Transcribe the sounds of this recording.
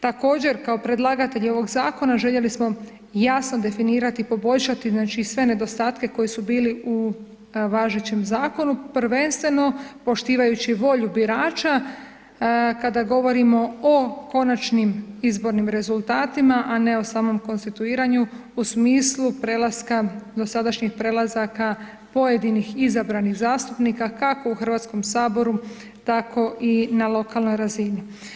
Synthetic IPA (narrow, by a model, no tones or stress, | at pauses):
t̪ako̞ːd͡ʑe̞ɾkao̞pɾe̞d̪lˠaɡat̪e̞ʎio̞ʋo̞ɡzaːko̞naʒe̞ʎe̞lismo̞ | jasno̞d̪e̞finiːɾat̪iːpo̞bo̞ʎʃat̪iznaːt͡ʃisʋe̞ne̞d̪o̞st̪aːt̪ke̞ko̞jisubiːliu | ʋaːʒet͡ɕe̞mzaːko̞nupɾ̩ʋe̞nst̪ʋe̞no̞po̞ʃt̪iːʋajut͡ɕiʋo̞ʎubiɾaːt͡ʃa | kad̪aɡo̞ʋo̞ɾimo̞oko̞nat͡ʃnimizbo̞ɾnimɾe̞zulˠt̪aːt̪imaʔane̞o̞saːmo̞mko̞nst̪it̪uiːɾaɲuusmiːslˠupɾe̞lˠaskad̪o̞sad̪aʃɲixpɾe̞lˠazaka | po̞je̞d̪inixizabɾaniɣzaːst̪upniːkakako̞uxrʋat̪sko̞msaːbo̞ɾu | t̪akʰo̞ʔinalo̞kalˠno̞jɾazini